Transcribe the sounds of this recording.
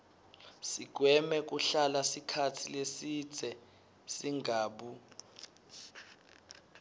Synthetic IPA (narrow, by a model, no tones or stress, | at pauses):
sik̬wɛmɛk̬uɬalasikʰatʰilesi̥z̥ʱɛ | siŋʱaːɓu